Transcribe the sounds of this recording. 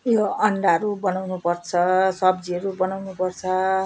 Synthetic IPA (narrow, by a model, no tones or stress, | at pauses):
joʌɳɖaɦʌɾubʌnawnupʌrt͡sʰʌsʌbd͡ziʌɾubʌnawnupʌrt͡sʰʌ